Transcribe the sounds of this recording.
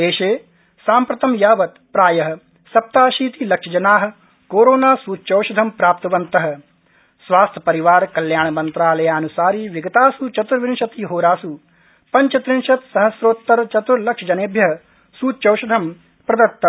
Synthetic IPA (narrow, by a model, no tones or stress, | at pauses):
d̪eːʃeː | saːmpɾɐt̪ɐmjaːʋɐt̪pɾaːjɐɦɐ̆ | sɐp̚t̪aːʃiːt̪ilɐkʂɐd͡ʒɐnaːɦɐ̆ | koːɾoːnaːsuːt̪t͡ʃɐwʃɐd̪ʱɐmpɾaːp̚t̪ɐʋɐnt̪ɐɦɐ̆ | sʋaːst̪ʰɐ̥pɐɾiʋaːɾkɐljaːɳɐmɐnt̪ɾaːlɐjaːnusaːɾiːʋɪɡɐt̪aːsut͡ʃɐt̪ɾɐʋɪnʃɐt̪iːɦoːɾaːsu | pɐɲt͡ʃɐt̪ɾɪnʃɐt̪sɐɦɐsɾoːt̪ːɐɾt͡ʃɐt̪uɾlɐkʂɐd͡ʒɐneːbʱjɐɦɐ | suːt̪ːt͡ʃɐwʃɐd̪ʱɐm | pɾɐd̪ɐɾt̪ːɐm